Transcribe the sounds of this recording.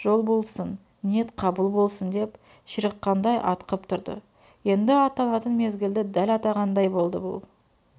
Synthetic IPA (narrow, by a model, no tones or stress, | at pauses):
ʒ̥o̞lˠbo̞lˠsənː | ijet̪qʰɑbəlˠbo̞lˠsənd̪e̞p | ʃəɾəqːɑnd̪ɑjʔɑ̰t̪qəpt̪ʰʊɾd̪ə̰ | je̞nd̪ɪɑt̪ɑnɑt̪ənme̞zɡʲɪld̪ɪd̪ælɑt̪ɑʁɑnd̪ɑjbo̞lˠd̪ə̰bʊ̰lˠ